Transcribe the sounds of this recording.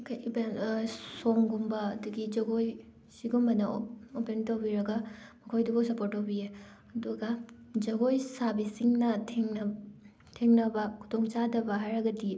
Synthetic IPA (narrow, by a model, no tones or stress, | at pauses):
kɐjibensoŋɡumbɐːduɡid͡ʒɐɡoj | siɡumbɐnɐopentowbiɾɐɡɐmɐkʰojdubɐsɐpoɾtːowbie | ɐduɡɐd͡ʒɐɡojsabisiŋnɐtʰeŋnɐ | tʰeŋnɐbɐkʰu̥tʰoŋt͡ʃadɐbɐɦaɾɐɡɐdi